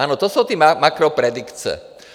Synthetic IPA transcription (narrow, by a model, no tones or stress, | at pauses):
aːnɔt̪ɔsuʊt̪iːmamakɾɔpɾɛd̪ikt͡sɛ̰